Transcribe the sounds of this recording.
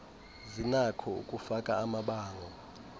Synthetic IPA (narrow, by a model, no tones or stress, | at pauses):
zinakʰɔṵkʼufakʼaːmaɓaːŋɔ